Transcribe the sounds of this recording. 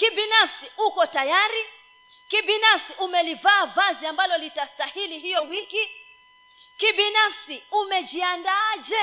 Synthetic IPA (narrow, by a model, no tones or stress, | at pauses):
kibinafsiukɔtajaɾi | kibinafsiʔumɛlivaːvaziambalɔlitastahiliɦijɔwiki | kibinafsiumɛd͡ʒiandad͡ʒɛ